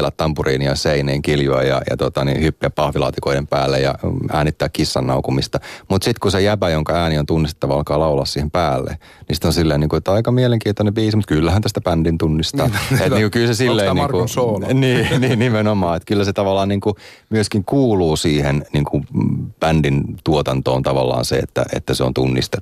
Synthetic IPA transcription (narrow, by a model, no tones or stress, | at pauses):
læt̪tɑmpuriːniɑseineːŋkiljoɑjɑ̰jɑ̰t̪ot̪ɑnḭhypːiæppɑhʋilɑ̰ːt̪ikoidempæ̰ːlːḛjɑ̰æːnit̪ːæːkkisːɑnːɑ̰ukumist̪ɑmut̪sit̪kusejæpæjoŋkɑæːniont̪unːiste̥t̪ːɑʋɑɑlkɑːlɑulɑ̰ssiːhempæːlːḛ | nisi̥t̪onsilːeiniːŋkuet̪ːɑikɑmieleŋkiːnt̪onebiːsimut̪̚kylːæhænt̪æst̪æpændint̪unːist̪ɑːet̪niːŋkukylsesilːeiniːkuoniːniːnimenomɑːet̪kylːæset̪ɑʋɑlːˑɑːnniːŋkumyøskiŋkuːluːsiːhenniːŋkupændint̪uot̪ɑnt̪o̰ːnt̪ɑʋɑ̰lːɑ̰ːnsḛḛt̪ːæ̰ʔḛt̪ːæseo̰nt̪unːḭst̪e